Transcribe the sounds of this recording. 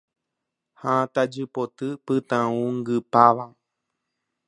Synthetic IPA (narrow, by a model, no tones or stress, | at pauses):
hãt̪ad͡ʒɨpot̪ɨpɨt̪ãũŋɡɨpaʋa